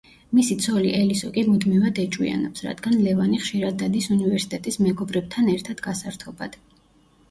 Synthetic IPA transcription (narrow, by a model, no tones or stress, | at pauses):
misit̪sʰɔliʔɛlisɔkʼimud̪mivad̪ɛt͡ʃʼwḭa̰nɔpsɾa̰d̪ɡanlɛvaniχʃiɾad̪ːad̪isunivɛɾsi̥t̪ʼɛt̪ʼismɛɡɔbɾɛb̚t̪ʰanɛɾt̪ʰad̪̥ɡasaɾt̪ʰɔba̰d̪̥